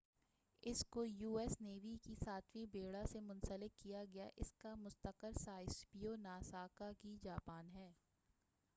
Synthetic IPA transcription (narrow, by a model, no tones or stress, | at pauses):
ɪskojuːɛːsneːʋikisaːt̪ʰʋĩbeːɽasemʊ̃nsəlɪk̪̚kijaɡɐja̰ʔɪskamʊst̪əqəɾsaːɪspionaːsaːkakid͡ʒaːpaːnɦɛː